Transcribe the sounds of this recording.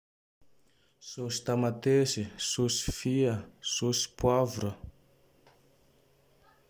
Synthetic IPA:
sosi̥t̪amat̪esisosi̥fiəsosi̥pwavuɾə

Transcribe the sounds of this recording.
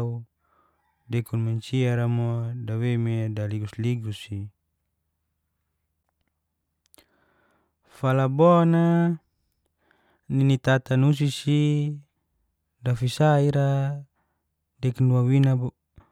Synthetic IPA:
u | dɛkunmaɲt͡ʃiaɾamodawemedaliɡusliɡusi | falabona | ninit̪at̪anus̬isi | dafisaiɾa | dɛknuawinab

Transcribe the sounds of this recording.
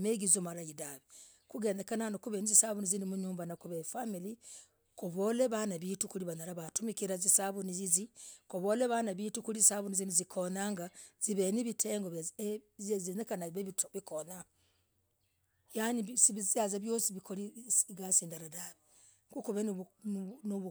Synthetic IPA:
meɡizomaɾajidaβi | kuɡeːndekananokuβenizisaβunizinimuɲuːmbanakuβefamili | koβoleβanaβiːtukuliβanaɾaβatumikiɾazisaβunizizikoβoleβanaβitukulizsaβunizinuzikʰonaŋɡaz̥iβeniβitʰeːŋɡozezinekanaiβeβitoβikona | jaɲisiβiziazaβjosiβikoliɡasiːndaɾadaβi | kukuβennnoβu

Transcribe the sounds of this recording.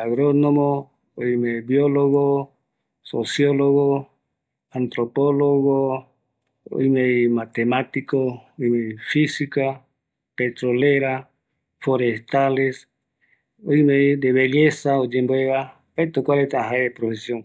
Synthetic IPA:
aɣɾonomo | ojmebjoloɣo | sosjoloɣo | ant̪ɾopoloɣo | o̰jmejmat̪emat̪ikoojmejfisika | pet̪ɾoleɾa | foɾest̪ales | ojmejd̪eβeʎesaod͡ʒemboeɣa | ajt̪okʷaɾet̪aɦaepɾofesjoŋ

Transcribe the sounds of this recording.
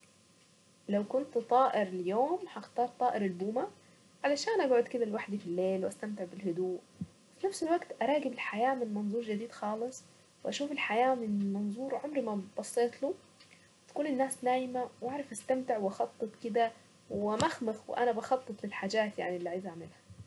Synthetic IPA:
lawkʊnt̪t̪ˤɑːʔɪɾljoːmħɑxt̪ɑːɾˤt̪ˤɑːʔɪɾɪlbuːma | ʕalaʃaːnʔabʕuːd̪kɪd̪ælwaħd̪ifilːeːlwʔæst̪amt̪ɪʕbɪlɦʊd̪uːʔ | finafsɪlwaɡt̪ʔɑɾˤɑːɡɪbɪlħajaːmɪnmɑnzˤuːɾˤd͡ʒɪd̪iːd̪xɑːlɨsˤ | wʔæʃuːfɪlħajaːmɪnmɑnzˤuːɾʕomɾmæb̥ɑsˤːeːt̪lu | t̪ḁkuːnɪnːaːsdaːjɪmawʔaʕɾˤɑfʔast̪amt̪ɪʕwʔɑxɑt̪ˤːɨt̪ˤkɪd̪æ | wɪmaxmɪxwɪ̰ʔæ̰næbɑxɑt̪ˤːɨt̪ˤlɪlħaːd͡ʒaːt̪jaʕniʔlːiːʕajzʔaʕmɪlha

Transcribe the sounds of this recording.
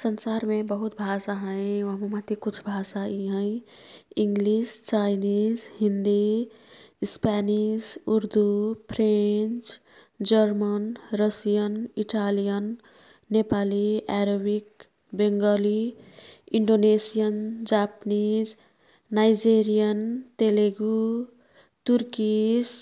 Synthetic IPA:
sənsaɾmebəɦut̪̚bʱasaɦə̃jʋəɦməmat̪ikut͡ʃʰbʱasaiɦə̃ɪ | iŋɡlist͡ʃajnid͡ʒɦind̪i | spanid͡ʒuɾd̪upʰɾent͡ʃ | d͡ʒəɾmənɾəsijʌniʈalijʌnː | epaliaɾobik | beŋɡʌli | iɳɖonesijʌnd͡ʒapnizː | ajd͡ʒeɾijʌnt̪eleɡu | t̪uɾkis

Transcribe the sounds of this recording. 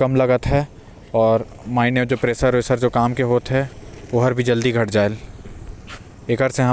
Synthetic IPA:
kɐmlɐɡət̪ɦɛ | ɔːɾ | maːɪned͡ʒoːpɾeːsəɾesəɾd͡ʒoːkaːmkeɦoːt̪ɦɛoɦəɾbʱid͡ʒɐld̪iɡʱɐʈd͡ʒaːel | eːkəɾseɦɐ

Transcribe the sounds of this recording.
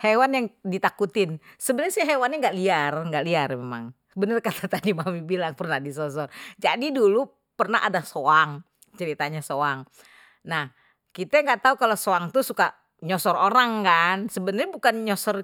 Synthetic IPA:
hewanjaŋdit̪akut̪ɪnsəbənərsiɦewanaŋɡaʔliarŋɡaʔliarmema̰ŋsəbənərkat̪ʰat̪adimamibilaŋpərnadis̬ɔs̬ɔrd͡ʒadidulu | pərnaha̰dasoaŋ | t͡ʃəɾit̪aɲasoaŋ | nah | kit̪ɛŋɡaʔt̪aukalosoaŋt̪usuka | ɲɔsɔroɾaŋkansəbənərɲabukanɲɔsɔr

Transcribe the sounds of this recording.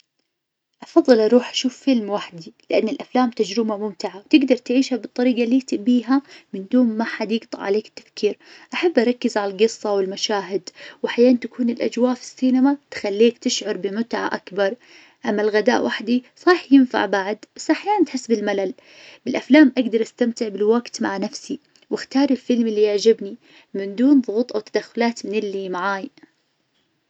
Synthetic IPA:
ʔɑfɑðˤːɨlʔɑɾˤuːħʔḁʃuːfːɪlmwaħd̪ilɪʔanːɪlʔaflaːmt̪ad͡ʒɾɪmamʊmt̪ɪʕawt̪ɪɡd̪ɑɾˤt̪ʕiːʃhabɨt̪ˤːɑɾiːɡalːiːt̪ɪʔbiːɦamɪnd̪uːmːaħad̪iːɡt̪ˤʕa̰leːkɪ̥t̪ːḁfkiːɾʔaħabːʔɑɾˤɑkːɪzʕalalɡɨsˤːɑwɪlmaʃaːɦɪd̪wʔaħjaːʔant̪akuːnɪlʔa̰d͡ʒwaːʔfi̥sːiːnamat̪xalːiːkt̪ɪʃʕʊɾˤbɪmʊt̪ʕa̰ʔakbɑɾˤ | ʔamːalɣad̪a̰ːʔwʔaħd̪isˤɑːħjɪnfa̰ʕbaʕd̪bsʔaħjaːant̪ħɪsːbɪlmalal | bɪlʔaflaːmʔaɡd̪ɑɾˤʔast̪amt̪ɪʕbɪlwaɡt̪maʕanafsi | wɪxt̪ɑːɾˤɪlfɪlmɪlːiʔaʕd͡ʒɪbni | mɪnd̪uːnðˤʊɣuːt̪ˤʔawt̪ad̪axːʊlaːt̪mɪnɪlːimaʕaːj

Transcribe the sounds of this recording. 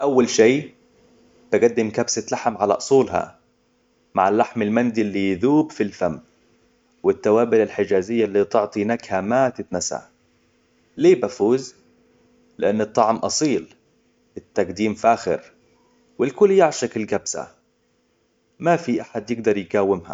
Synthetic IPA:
ʔawːalʃiː | b̥ɪɡad̪ːɪmkabsalaħmʕala̰ʔʊsˤuːlɦa̰ | ma̰ʕɪlːaħmɪlmand̪ilːijðuːbfilfamː | wɪt̪ːawaːbɪlalħɪd͡ʒaːzɪjːalːiːt̪ɪʕt̪ˤinakhamat̪ɪt̪nasa̰ | leːbafuːz | lɪʔanːɨt̪ˤːɑʕmʔɑsˤiːl | ɪt̪ːaɡd̪iːmfʔaːxɪ̰ɾ | wɪlkʊlːjɪʕʃakɪlɡabsa̰ | mafiʔaħad̪jɪɡ̚d̪ɑɾˤjɡawːɪmha̰

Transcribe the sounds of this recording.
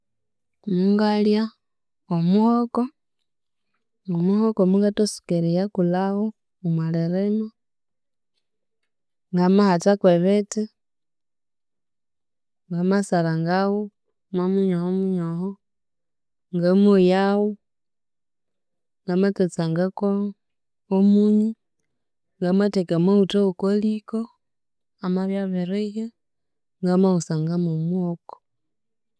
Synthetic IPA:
muŋɡalja | omuhoko | ŋomuhokomuŋɡatosi̥keɾijakulaho | umwaleɾeno | ŋɡamahat͡ʃakweβeti | ŋɡamasalaŋɡawu | mamuɲohomuɲoho | ŋɡamwojawu | ŋɡamatet͡saŋɡako | omuɲi | ŋɡamatekamoutoukoliko | amaβjaβeɾeje | ŋɡamausaŋɡamomwoko̥

